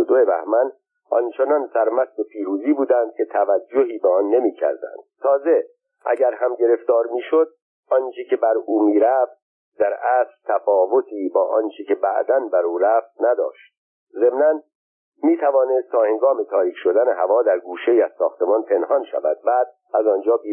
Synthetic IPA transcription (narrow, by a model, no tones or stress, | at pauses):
d̪oebæ̰hmæn | ʔɒ̰nt͡ʃʰe̞nɒnsæɾmæsd̪epʰiːɾuːziːbuːd̪ænd̪̚kʰe̞t̪ʰævæd͡ʒːoɦiːbeɒnːe̞miːcʰæ̰ɾd̪æ̰nd̪̥̚t̪ʰɒːze̞ | ʔæ̰ɟæɾɦæmɟe̞ɾe̞ft̪ɒːɾmiːʃod̪̚ | ʔɒnt͡ʃʰecʰe̞bæɾuːmiːɾæft̪̚ | d̪̥æɾæːsɾt̪ʰæfɒːvo̞t̪ʰiːbɒːʔɒnt͡ʃʰecʰe̞bæ̰ʔd̪ænbæɾuːɾæːft̪̚næd̪ɒ̰ːʃt̪̚ | ze̞mnæn | miːt̪ʰævɒːnest̪ʰːɒːhe̞ŋɡɒːme̞t̪ʰɒːɾiːcʰʃo̞d̪æneɦævɒːd̪æɾɡuːʃejiːæz̥sɒːxt̪e̞mɒnpʰe̞nhɒnʃæ̰væ̰d̪̥̚bæːd̪̚ | æzɒnd͡ʒɒːbi